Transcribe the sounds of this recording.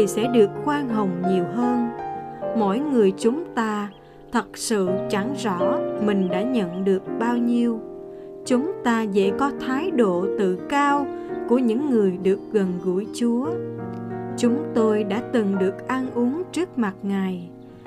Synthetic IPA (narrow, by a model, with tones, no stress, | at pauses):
i˨˩sɛ̰˧˥ɗɨ˨˩əkːwaː˧nɦə˨˩wŋ͡mɲi˨˩əwɦəː˧n | mɔ̰˧˥jŋɨ˨˩əjt͡ɕʊ˨˦ŋ͡mt̪aː˧ | t̪ʰə˨˩t̚sɨ̰˧˨t͡ɕa˧˩ŋzɔ̰˧˥mï˨˩ŋ̟ɗa̰ː˧˥ɲə̰˧˨nɗɨ˨˩ək̚ɓaː˧wɲi˧əw | t͡ɕʊ˨˦ŋ͡mt̪aː˧zɛ̰˧˥kɔ˨˦t̪ʰaː˨˦jɗo̰˧˨t̪ɨ̰˧˨kaː˧wku˧˩əɲɨ̰˧˥ŋːɨ˨˩əjɗɨ˨˩ək̚ɣə˨˩nɣṵ˧˩jt͡ɕu˨˦ə | t͡ɕʊ˨˦ŋ͡mt̪o˧jɗa̰ː˧˥t̪ɨ˨˩ŋɗɨ˨˩ək̚ʔa˧nʔu˨˦əŋt͡ɕɨ˦˥ək̚ma˨˩t̚ŋa˨˩j